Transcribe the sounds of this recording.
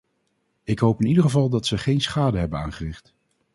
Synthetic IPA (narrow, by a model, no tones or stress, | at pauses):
ɪkɦowpɪnidəχəvɑlˠdɑtsəχejnsχaːdəɦɛbənaːnχərɪχt